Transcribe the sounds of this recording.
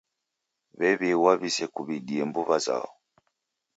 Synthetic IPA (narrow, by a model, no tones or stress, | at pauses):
βɛβiwaβisɛkuβiɗiɛmbuβaza̰ɔ